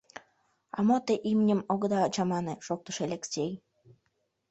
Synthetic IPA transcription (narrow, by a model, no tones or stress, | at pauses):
ɑ̰mot̪eʔimnʲəmoɣəd̪ɑːt͡ɕɑmɑneʃok̚t̪əʃeelʲeksʲej